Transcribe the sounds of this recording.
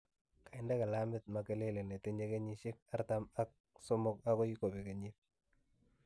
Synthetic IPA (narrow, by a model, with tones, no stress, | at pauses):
ka˨ɪnda˦ka˨la˦mɪt̚make˦le˦le˨ne˨teɲe˦ke˦ɲi˦ʃɪ˦k̚a˦ɾtama˦k̚ | so˦mʊk̚a˦ko˦ji˦ko˨pe˨ke˨ɲit̚